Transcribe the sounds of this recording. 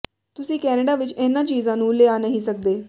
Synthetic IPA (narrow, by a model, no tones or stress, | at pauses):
t̪usiːkɛneɽaʋit͡ɕenːat͡ɕiːd͡zãnũːleanəɦisək̚d̪eː